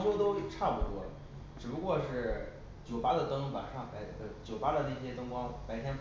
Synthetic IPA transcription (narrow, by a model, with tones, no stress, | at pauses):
ŋu˥t̪o˥ʊ˥ʈ͡ʂʰa˥˧pu˧t̪wɔ˥˩lə̰˩ | ʈ͡ʂɻ̩˨˩pu˧˥kwɔ˥˧ʂɻ̩˥˩ | t͡ɕjo˨˩ʊpa˥d̪ə˨t̪ɤ˥ŋpwa̰˨˩nʂɑ˥˩ŋpa˧˥ɪ˥˩ɡə˩t͡ɕjo˨˩ʊpa˥d̪ə˨na˥˩ɪɕjɛ˥t̪ɤ˥ŋkwɑ˥ŋpa˧˥ɪt̪ʰjɛ˥n